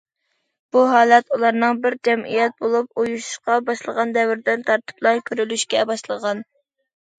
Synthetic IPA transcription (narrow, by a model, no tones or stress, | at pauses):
b̥uɦɑːlˠɛt̪ulˠɑɾnɨŋbɪɾd͡ʒɛmʔḭjɛt̪̚bolˠup̚ujuʃu̥ʃqɑbɑʃlˠəʁɑnd̪ɛwɪɾd̪ɪnt̪ʰɑɾt̪ʰɨ̥plˠɑɾkʲʰøɾylyʃkʲɛbɑʃlˠəʁɑn